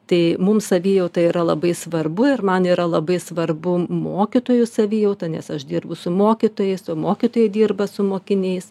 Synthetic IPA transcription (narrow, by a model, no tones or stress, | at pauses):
t̪ɐɪmʊmsɐʋʲiːjɛʊt̪ɐiːɾɐlˠɐbɐɪsʋɐrbʊɪrmɐniːɾɐlˠɐbɐɪsʋɐrbʊmoːkʲɪt̪oːjʊsɐʋʲiːjɛʊt̪ɐnʲɛsɐʃd̪ʲiːrbʊsʊmoːkʲɪt̪oːjɛɪsoːmoːkʲɪt̪oːjɛɪd̪ʲiːrbɐsʊmoːkʲɪnʲɛɪs